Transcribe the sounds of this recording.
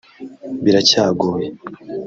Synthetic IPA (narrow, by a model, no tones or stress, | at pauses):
biɾacaːɡoːje